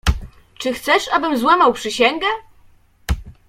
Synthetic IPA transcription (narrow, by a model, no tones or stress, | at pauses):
t͡ʂɘxt̪sɛʂabɘmzwamawpʂɘɕɛŋɡɛ